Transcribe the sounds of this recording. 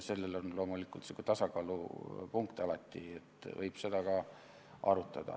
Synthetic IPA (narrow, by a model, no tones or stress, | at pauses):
se̞lːe̞lo̞nlo̞ːmulikːˑult̪sekut̪ɑsɑkɑːlṵpuŋkt̪ɑlɑt̪ˑːiet̪ːˑvɤjb̥se̞d̪ɑkɑ | ʔɑ̰ɾut̪ːˑɑd̪̥ɑ̰